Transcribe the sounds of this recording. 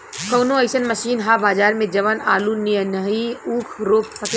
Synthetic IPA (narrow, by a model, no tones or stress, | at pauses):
kɐːnõɛɪʃənmɐʃiːnɦabaːzaːɾmẽd͡ʒɐʋəna̰ːlunijənɐɦiuːkʰɾoːp̚pɐk